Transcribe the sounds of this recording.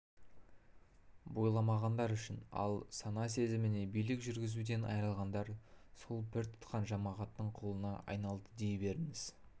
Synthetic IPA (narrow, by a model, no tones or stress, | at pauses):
bo̞jlˠɑmɑʁɑnd̪ɑɾʏʃɪnɑ̰lˠsɑnɑse̞zɪmɪne̞bijlɪkʒʏɾɡʲɪzud̪e̞nɑ̰jɾəlˠʁɑnd̪ɑɾsolˠbɪɾt̪ʰʊ̥t̪qɑnʒɑmɑʁɑt̪ːəɴqʰo̞lˠənɑʔɑ̰jnɑlˠd̪əd̪ejbe̞ɾɪŋɪz̥